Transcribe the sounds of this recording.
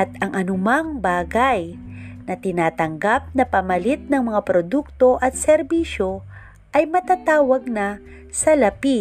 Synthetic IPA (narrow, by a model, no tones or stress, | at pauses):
ʔɐt̪̚ɐŋʔɐnʊmaŋbaːɡajnɐt̪ɪnaːt̪ɐŋɡap̚nɐpɐmɐlit̪̚nɐŋmɐŋapɾod̪uk̚t̪o̞ʔɐt̪̚sɛɾbiːʃo̞ | ʔɐjmɐt̪aːt̪aːwɐɡ̚nɐ | sɐlɐpi